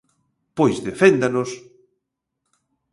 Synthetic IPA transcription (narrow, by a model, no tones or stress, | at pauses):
pojzðefend̪anos